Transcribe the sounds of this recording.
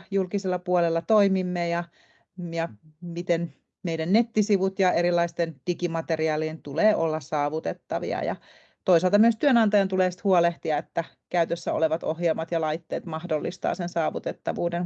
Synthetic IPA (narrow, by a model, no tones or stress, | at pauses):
julkiselːɑpuolelːɑt̪oimimːejɑ | jɑmit̪en | meidænnet̪ːisiʋut̪jɑeɾilːɑist̪end̥ikimɑt̪eriɑːlient̪uleːʔolːɑsɑːʋut̪et̪ːɑʋḭɑ̰jɑ̰ | t̪oisɑlt̪ɑmyøst̪yønɑnt̪ɑjɑnt̪uleːsi̥t̪huoleht̪iɑet̪ːæ | kæyt̪øsːæo̰leʋɑt̪ohjelmɑt̪jɑlɑit̪ːeːt̪mɑhdolːist̪ɑ̰ːsensɑːʋut̪et̪ːɑʋuːden